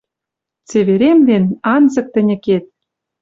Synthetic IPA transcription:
t͡seβeɾemlenɑnzɤ̆k̚t̪ɘ̆nʲɘ̆ket̪̚

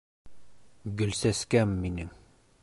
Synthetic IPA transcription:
ɡɵ̆lsæskæmːinɘŋ

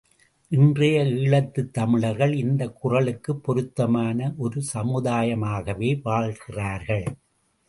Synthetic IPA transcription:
ʔɪndrɐjɐiːɭɐt̪ːɯt̪ːɐmɪɭɐɾɣɐɭɪnd̪ɐkːʊrɐɭɯkːɯpːɔɾɯt̪ːɐmaːnɐʔɔɾɯsɐmɯðaːjɐmaːɣɐʋeːʋaːɭɣɪraːɾɣɐɭ

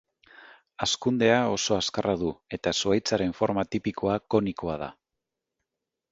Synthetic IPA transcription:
askund̪e̞ao̞so̞askaraðue̞t̪asuajt͡saɾe̞ɱfo̞ɾmat̪ipikʰo̞ako̞niko̞að̞a̰

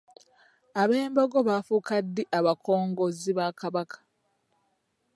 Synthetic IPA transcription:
aβe̞ːmboɡo̞βaːfukadːiʔaβakʰo̞ːŋɡo̞ziβakaβakʰḁ

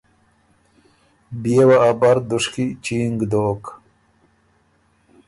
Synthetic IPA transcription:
bijewaabɐɾd̪uʂkit͡ʃiːŋɡd̪oːk

